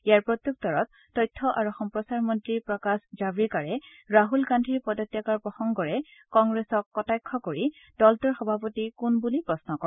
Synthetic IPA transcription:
ijaɹpɹɔt̪juk̚tɔɹɔtːɔjtʰːɔʔaɹuxɔmpɹɔsaɹmɔntɹiɹpɹɔkaszabɹikaɹɛ | ɹaɦulɡandʱiɹpɔdɔtːjakaɹpɹɔxɔŋɡɔɹɛkɔŋɡɹesɔkːɔtajkʰːɔkoɹi | d̥ɔltɔɹxɔbʱapotikunbulipɹɔsnɔkɔ

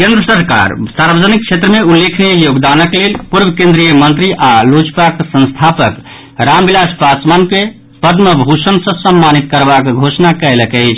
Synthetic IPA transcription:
kend̪ɾəsəɾka̰ɾsaɾbəd͡ʒənik̚t͡ʃʰet̪ɾəmeulːekʰnijəjoɡd̪anəklelpuɾbʱəkẽnd̪ɾijəmənt̪ɾiʔalot͡ʃpaksə̃nst̪ʰapək | ɾambilaspasmanke | pəd̪məbʱusənsə̃səmːanit̪̚kəɾbakɡʱosnakəjləkɛɪt͡ʃʰ

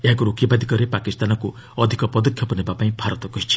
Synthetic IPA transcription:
eɦakuɾokjɔbad̪ʱikɔɾepakist̪anɔku | ɔd̪ʱikɔpɔd̪ɔkʰjɔpɔnebapaĩbʱaɾɔt̪ɔkɔɦit͡ʃʰi̥

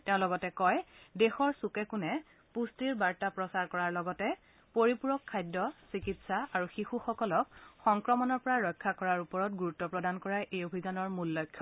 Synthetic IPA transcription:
tɛ̃ʊ̃lɔɡɔtɛkɔjdexɔɹsukɛkunɛ | pustiɹbaɹtapɹɔsaɹkɔɹaɹlɔɡɔtɛ | poɹipuɹɔkʰːajdɔsikitsaaɹuxixuxɔkɔlɔkxɔŋkɹɔmɔnɔɹpɔɹaɹɔjkʰːakɔɹaɹupɔɹɔtɡuɹutːɔpɹɔdankɔɹajʔejobʱizanɔɹmulːɔjkʰːɔ

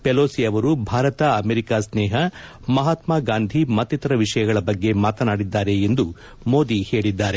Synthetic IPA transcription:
peloːsiɐʋɐɾubʱaːɾɐt̪ɐɐmeɾikaːsneːɦɐ | mɐɦaːt̪maːɡaːnd̪ʱimɐt̪ːit̪ɐɾɐʋiʂɐjɐɡɐɭɐbɐɡːe̞maːt̪ɐnaːɽid̪ːaːɾe̞ːnd̪u | mo̞ːd̪ihe̞ːɭid̪ːaːɾe̞

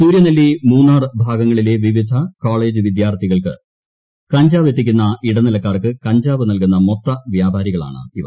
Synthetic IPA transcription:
suːɾjɐnɐlːimuːnːaːrɨbʱaːɡɐŋːɐɭile̞ːʋiʋid̪ʱɐkoːɭe̞ːd͡ʑɨʋid̪jaːrt̪ʰiɣɐɭkɨ | kɐɲd͡ʑaːʋet̪̬ːik̬ʲːunːɐiɽɐnilɐkːaːrkɨkɐɲd͡ʑaːʋɨnɐlkunːɐmot̪ːɐʋjaːbʱaːɾiɣɐɭa̰ːɳɨ̰iʋɐ

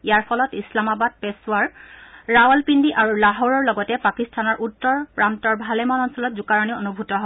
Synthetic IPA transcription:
ijaɹpʰɔlɔtislamabad̚pɛsʊaɹɹawɔlpindiʔaɹulaɦɔɹɔɹlɔɡɔtɛpakistʰanɔɹʔutːɔɹpɹantɔɹbʱalemɔnɔnsɔlɔtzukaɹɔnionubʱutɔɦɔb

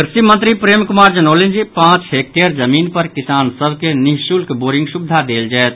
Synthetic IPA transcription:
kɾsimə̃nt̪ɾipɾemkumaɾd͡ʒənəlend͡ʒipãt͡ʃɦek̚ʈeɾd͡ʒəminpəɾkisansəbʱkeniɦʃulkboɾĩŋɡsubd̪ʱad̪eld͡ʒɛɛt̪̚ʰ

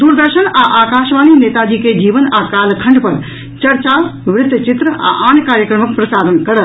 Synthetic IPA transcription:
d̪uːɾd̪əɾʃənaʔaːkaːʃʋaːniːneːt̪ad͡ʒiːked͡ʒiːʋənaːkaːlkʰɐ̃ɳɖpɐɾ | t͡ʃɐɾt͡ʃaːʋɾɪd̪jt͡ʃɪt̪ɾəʔa̰ʔaːnkaːɾjəkɾəmək̚pɾɐsaːd̪ənkɐɽɐt̪

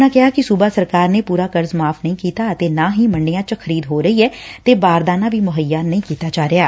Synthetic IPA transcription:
nãːkɪɦaːkɪsuːbaːsəɾkaːɾneːpuːɾaːkəɾzmaːpʰnəĩːkiːt̪aːət̪eːnãːɦiːməɳɖɪjãːt͡ʃəkʰəɾiːd̪ɦoːɾəiːɛːt̪eːbaːɾd̪aːnaːʋʱiːmʊɦəjːaːnəɦĩːkiːt̪aːd͡ʒaːɾɪjaː

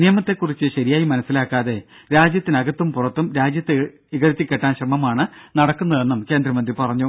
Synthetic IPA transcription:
nijɐmɐt̪ːe̞kːurit͡ɕːɨɕɐɾijaːjimɐnɐsːilaːkːaːðe̞ | ɾaːd͡ʑjɐt̪ːinɐɡɐt̪ːumpurɐt̪ːumɾaːd͡ʑjɐt̪ːe | iɣɐɾɐt̪ːikʲːeʈːaːnɕrɐmɐmaːɳɨnɐɽɐkːunːɐðe̞nːumke̞ːnd̪rɐmɐnd̪ripɐrɐɲːu

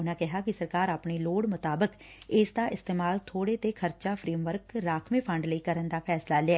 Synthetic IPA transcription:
ʊnãːkɛɦaːkisəɾkaːɾaːpneːloːɽmʊt̪aːbək | ɪsd̪aːʔɪst̪eːmaːlt̪ʰoːɽeːt̪eːkʰəɾt͡ʃaːpʰɾiːmʋəɾkɾaːkʰmẽːpʰə̃ɳɖləiːkəɾənd̪aːpʰɛːslaːlɪaː

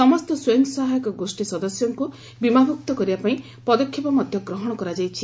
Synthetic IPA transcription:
sɔmɔst̪ɔsweŋɡsaɦajɔkɔɡosʈisɔd̪ɔsjɔŋku | bimabʱukt̪ɔkɔɾibapaĩ | pɔd̪ɔkʰːipɔmɔd̪ʱjɔɡɾɔɦɔɽ̃ɔkɔɾad͡ʒajt͡ʃʰi

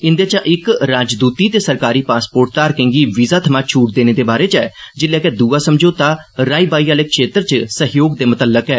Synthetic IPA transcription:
ɪnd̪eːt͡ʃãʔɪkɾaːd͡ʒd̪uːt̪iːt̪eːsəɾkaːɾiːpaːspoːʈ̚t̪aːɾkə̃ːŋɡiːʋizaːt̪ʰəmãːt͡ʃʰuːʈ̚d̪eːneːd̪eːbaːɾeːt͡ʃɛːd͡ʒɪlːɛːkɛːd̪uːaːsəmd͡ʒoːt̪aːɾaːiːbaːiːaːleːkʃeːt̪əɾt͡ʃsəɦjoːɡd̪eːmʊt̪əlːəkɛː

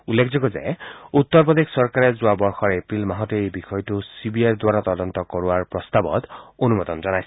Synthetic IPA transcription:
ulːekʰd͡zɔɡɔzḛut̪ːɔɹpɔd̪ekʰsɔɹkaɹezʊabɔɹxɔɹepɹilmaɦɔteejbixɔjtusibiajɹd̪waɹat̪ɔd̪ɔnt̪ɔkɔɹuaɹpɹɔst̪abɔ̰t̪onumɔd̪ɔnzɔnajs

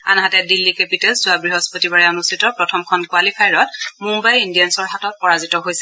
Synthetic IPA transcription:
a̰nɦatɛdilːikepitɛlszʊabɹiɦɔspotibaɹɛonustʰitɔpɹɔtʰɔmkʰɔnkwalipʰajɹɔtmumbajindijansɔɹɦatɔt̚pɔɹazitɔɦojsɛ̥

